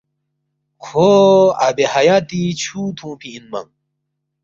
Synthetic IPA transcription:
kʰoɐbehajaːt̪it͡ɕʰut̪ʰũpʰiːnmɐ̰ŋ

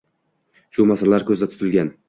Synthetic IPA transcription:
ʃʊmasallaɾkʲʰɵzd̪at̪ʰʊt̪ʰɪlɡʲan

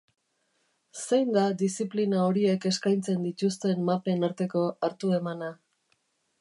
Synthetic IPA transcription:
se̞jnd̪ad̪isiplinao̞ɾie̞ke̞skajnt͡se̞nd̪it̪ust̪e̞mːape̞naɾt̪e̞ko̞aɾt̪ue̞mana

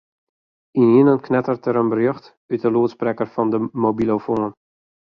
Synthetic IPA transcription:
iniənənknɛtərtəɾənbərjøxt | yt̚dəluətsprɛkərfɑndəmobilofoːn

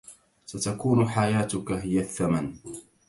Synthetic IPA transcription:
sat̪akuːnʊħajaːt̪ʊkaɦɪjaθːaman

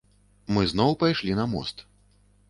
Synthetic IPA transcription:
mɨznɔwpajʂlʲinɐmɔ̰st̪

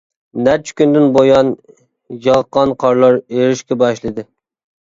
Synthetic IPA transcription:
næɾt͡ʃʰi̥kʲynd̪ɪnbojɑn | jɑʁəqːɑnqʰɑɾlˠɑɾeɾɪʃkʲɛbɑʃlˠɨd̪ɨ

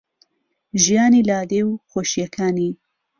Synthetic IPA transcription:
ʒijɑːnilɑːd̪ewxoʃjɛkʰaːni

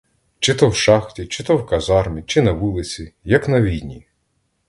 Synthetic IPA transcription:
t͡ʃɪt̪ɔwʃɑxtʲit͡ʃɪt̪ɔwkɐzɑrmʲit͡ʃɪnɐʋulˠɪt͡sʲijɐknɐʋʲinʲi

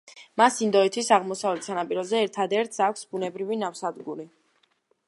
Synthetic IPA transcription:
masind̪ɔit̪ʰisaʁmɔsavlɛt̪sanapʼiɾɔzɛːɾt̪ʰad̪ɛɾt̪sakʰʷsbunɛbɾivinafsad̪ɡuɾi

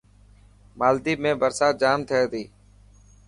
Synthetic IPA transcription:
maːld̪iːmẽːbəɾsaːt̪̚d͡ʒaːmt̪ʰəeːd̪iː

